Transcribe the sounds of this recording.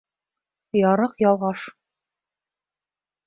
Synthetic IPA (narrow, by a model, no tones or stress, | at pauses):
jɒɾɤqjɒlˠʁɑʃ